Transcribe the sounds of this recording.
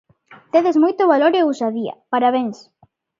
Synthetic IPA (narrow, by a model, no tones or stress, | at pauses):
t̪eðezmojt̪oβaloɾeusaðiɐ̰paɾaβeŋs